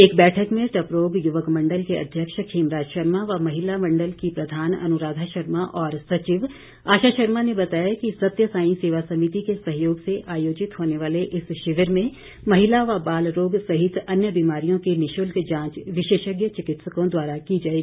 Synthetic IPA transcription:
eːkbɛːʈʰəkmẽʈɐpɾoːɡjʊʋəkmɐ̃ɳɖəlkeɐ̰d̪ʱjəkʃkʰeːmɾaːd͡ʒʃɐɾmaʋamɐɦɪlamɐ̃ɳɖəlkipɾɐd̪ʱaːnɐ̰nʊɾaːd̪ʱaʃəɾmaʔɔːɾsɐt͡ʃiʋ | aːʃaːʃəɾmanebɐt̪aːjakisɐt̪jəsaːɪ̃seːʋasɐmit̪ikesɐɦjoːɡseʔaːjoːd͡ʒɪt̪ɦoːneʋaːleʔɪsʃɪʋəɾmẽ | mɐɦɪlaʋabaːlɾoːɡsɐɦɪt̪ɐnjəbiːmaːɾijõkenɪʃʊlkd͡ʒãːt͡ʃʋɪʃeːʃəɡjət͡ʃɪkɪt̪səkõd̪waːɾakid͡ʒaːeɡi

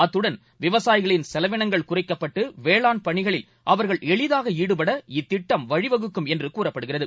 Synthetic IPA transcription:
ɐt̪ːɯɽɐn | ʋɪʋɐsaːjɪɣɐɭɪnsɛlɐʋɪɳɐŋɡɐɭkʊrɐɪkːɐpːɐʈːɯʋeːɭaːnpɐɳɪɣɐɭɪl | ʔɐʋɐɾɣɐɭɛɭɪðaːɣɐiːɽɯpɐɽɐɪt̪ːɪʈːɐmʋɐɻɪʋɐɣɯkːɯmɛndrɯkuːrɐpːɐɽɯɣɪrɐðɯ

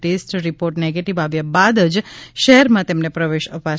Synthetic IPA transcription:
ʈesʈɾipoɾʈneɡeʈiʋaʋjabad̪əd͡ʒʃɛɦɛɾmãt̪emnepɾəʋeʃəpa

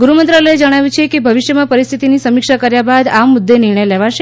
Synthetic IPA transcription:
ɡuɾumənt̪ɾələed͡ʒəɽ̃aʋjũt͡ʃʰekebʱəʋɪʃjəmãpəɾist̪ʰit̪inisəmɪkʃakəɾjabad̪amːʊd̪ːenɪɾɳəjleʋaʃe

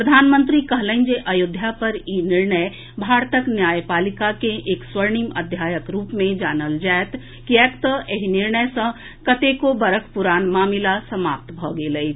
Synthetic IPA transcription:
pɾəd̪ʱaːnmə̃nt̪ɾikəɦlə̃nd͡ʒeʔəjʊd̪ʱjapəɾinɪɾɳəj | bʱaːɾt̪əknjaːjpaːlikakeʔeːkswəɾɳiməd̪ʱjaːjəkɾuːpmẽd͡ʒaːnəld͡ʒaːet̪ | kiɛːkt̪əeɦinɪɾɳəjsə̃ | kət̪ekobəɾəkpuɾaːnmaːmilasəmaːp̚t̪bʱɔɡeːləi

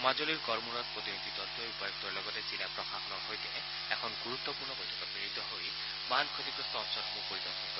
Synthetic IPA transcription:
mazoliɹkɔɹmuɾɔt̪̚pɹot̪inid̪id̪ɔlt̪ojpɔjɔk̚t̪ɔɹlɔɡɔtezilapɹɔxaxɔnɔɦojt̪e | ɛkʰɔnɡuɾut̪ːɔpuɾnɔbojt̪ʰɔkɔpiɾit̪ːɔɦoj | bankʰot̪ikɔst̪ɔɔnsɔɾmupoɹid̪ɔɾsɔnkɔ

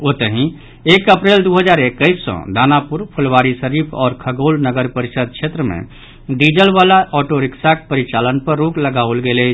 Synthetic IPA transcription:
ot̪əɦĩ | ekəpɾeld̪uɦəd͡ʒaɾekːəɪssɔ̰̃d̪anapuɾpʰulʋaɾisəɾipʰɔ̰ːɾkʰəɡolnəɡəɾpəɾisəd̪̚t͡ʃʰet̪ɾəmḛ̃ | ɖid͡ʒəlʋalaʔɔʈoɾiksak̚pəɾit͡ʃalənpəɾːukləɡaolɡele

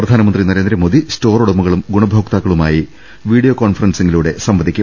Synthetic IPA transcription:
prɐd̪ʱaːnɐmɐnd̪rinɐɾe̞ːnd̪ɾɐmoːd̪isto̞ːruɽɐmuɣɐɭumɡuɳɐbʱoːkt̪aːkːɐɭumaːji | ʋiːɖijoːkoːnfɐrɐnse̞ŋɡiluːɽe̞sɐmʋɐd̪ʱikʲːum

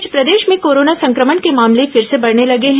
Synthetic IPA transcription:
d͡ʒpɾɐd̪eːʃmẽkoːɾoːnasɐ̃ŋkɾəməɳkemaːmlefɪɾsebɐɽnelɐɡeɦɛ̃

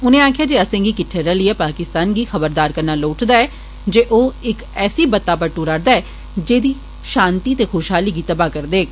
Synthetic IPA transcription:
ʊnẽːaːkʰɪjaːd͡ʒeːəsẽːɡiːkɪʈʰːeɾəlieːpaːkɪst̪aːnɡiːxəbəɾd̪aːɾkəɾnaːloːʈd̪aːɛː | d͡ʒeːʔoːɪkɛːsiːbət̪ːaːpəɾʈuːɾaɾd̪aːɛː | d͡ʒeːd̪iː | ʃãːnt̪iːt̪eːxʰoːʃɦaːliːɡiːt̪əbaːkəɾd̪eː

